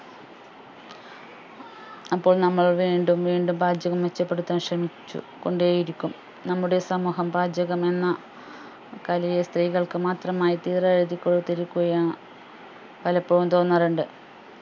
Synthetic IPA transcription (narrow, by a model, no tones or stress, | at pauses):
ɐpːo̞ːɭnɐmːɐɭʋiːɳɖumʋiːɳɖumbaːdjɐɣɐmʋet͡ɕːɐpːe̞ɽut̪ːaːmɕrɐmit͡ɕːṵ | ko̞ɳɖeːjiɾikʲːum | nɐmːuɽe̞sɐmuːɦɐmbaːd͡ʑjɐɣɐme̞nːɐ | kɐlijɐst̪riːɣɐɭkɨmaːt̪rɐmaːjit̪iːrɐeɾid̪ikʲːoɭut̪ːiɾikʲːuɣɐjaːɳ | pɐlɐpːeɻumt̪o̞ːnːɐruɳɖɨ